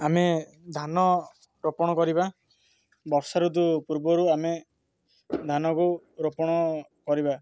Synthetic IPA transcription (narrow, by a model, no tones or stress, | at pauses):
ame | d̪ʱanɔ | ɾopɔɽ̃ɔkɔɾiba | bɔɾsaɾud̪̬upuɾbɔɾuame | d̪ʱanɔku | ɾopɔɽ̃ɔkɔɾiba